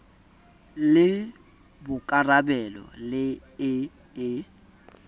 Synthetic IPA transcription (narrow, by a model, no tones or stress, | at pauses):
lɪ | bʊkʼarabɛlɔ̰lɪ | ɪ | ɪ